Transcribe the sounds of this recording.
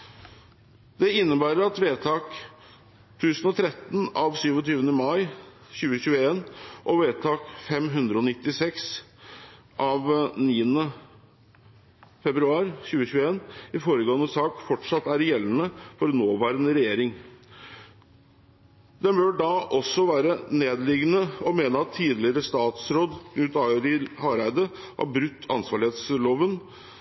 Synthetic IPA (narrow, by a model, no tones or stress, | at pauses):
d̪ɛɪnːəbæːɾəɾɑt̪ʋeːt̪ʰɑːk | t̪ʰʉːsnɔt̪ʰɾɛt̪ːn̩ɑʋsyːʋɔt̪ʰyːʋənəmɑɪɕʉːəɕʉːəeːnʔɔʋeːt̪ʰɑːkfɛmɦʉnd̪ɾəɔnɪt̪ːɪsɛks | ʔɑʋniːənə | fɛbɾʉɑːɾɕʉːəɕʉːəeːnɪfoːɾəɡɑŋəsɑːkfɔʈʂɑt̪ːæɾjɛlːənəfɔɾnoːʋæːɾənəɾɛjeːɾɪŋ | d̪ɛnbœɖɑʔɔsːɔʋæːɾəneːd̪lɪɡnəɔmeːnəɑt̪ʰːiːd̪lɪəɾəst̪ɑːt̪sɾoːd̪nʉːt̪ɑːɾɪhɑːɾæɪd̪əʔɑ̰bɾʉt̪ʰːɑ̰nsʋɑːɭɪheːt̪sloːʋən